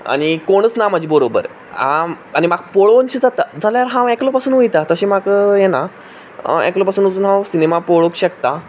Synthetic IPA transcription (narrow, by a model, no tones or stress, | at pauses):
a̰ɽ̃ikoɽ̃ət͡snam̤ad͡ʑʱiːbəɾobə̰ɾ | ã | añimaɡ̚poɭont͡ɕiːd͡zat̪ad͡zaljaɾɦãeklopasuːnʋujt̪at̪əɕiːmaɡjɛna | ḛklopasuːnot͡suːnɦãwsinemapoɭokɕəkt̪a